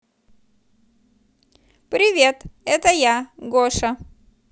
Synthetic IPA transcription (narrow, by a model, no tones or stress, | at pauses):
pɾʲɪvʲe̞t̪ɛt̪əjaɡoʂɐ